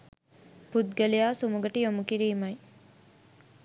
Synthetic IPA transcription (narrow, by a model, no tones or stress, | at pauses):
pud̪̚ɡɐlijaːsumuɡɐʈijomukiɾiːmɐj